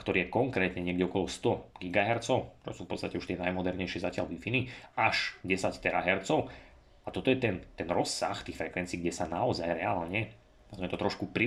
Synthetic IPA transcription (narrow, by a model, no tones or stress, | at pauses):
kt̪ɔɾiːjɛkɔŋkɾɛːt̪ɲɛɲɪɛɡɟɛɔkɔlɔst̪ɔɡiɡaɦɛɾt͡sɔʊt͡ʃɔ̰suːfpɔtt͡st̪acɛuʃt̪ɪɛnajmɔd̪ɛɾɲɛjʃɪɛzacɪalʋifiniaʃɟɛsact̪ɛɾaɦɛɾt͡sɔʊ | at̪ɔt̪ɔjɛt̪ɛnt̪ɛnɾɔsːa̰xt̪iːxfɾɛkʋɛnt͡siːɡɟɛsanaɔzajɾɛaːlɲɛ | azmɛt̪ɔt̪ɾɔʃkupɾi